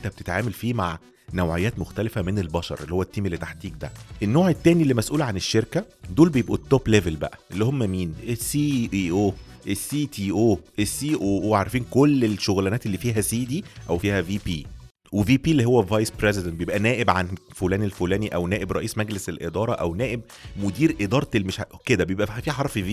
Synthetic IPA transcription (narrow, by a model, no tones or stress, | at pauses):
ʔent̪æb̥et̪e̥t̪ʕaːmælfiːmaʕ | næwʕejæːt̪moxt̪ælefæmenelbɑʃɑ̰ɾˤʔelːihowːæt̪ːiːmelːet̪aħt̪iːɡ̚d̪æʔenːoːʕet̪ːæːnilːimæsʔuːlʕaneʃːeɾkæd̪oːlbejebʔut̪ːoːplevelbæʔæʔelːihomːæmiːnʔesiʔiːʔoːʔesːiːt̪ʰiːʔoːʔesːiːʔoːʔoʕaɾˤfiːnkolːelʃoɣlænæːt̪elːiːfiːɦæsiːd̪iʔæwfiːhæviːpiː | weviːpiːlːiːɦowːævɑjspɾezed̪ænt̪̚bejebʔænæːʔebʕanfolæːnelfolæːniʔæwnæːʔebɾˤɑ̰ʔiːsmæɡleselʔḛd̪ɑːɾˤɑʔæwnæːʔeb | mod̪iːɾʔed̪ɑːɾˤelːmeʃked̪æbejebʔæfiːħɑɾˤfiviː